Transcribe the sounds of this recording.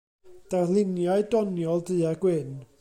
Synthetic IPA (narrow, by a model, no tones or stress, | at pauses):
d̥arlˠɪnjaɨdɔnjɔlˠdɨaɡwɪn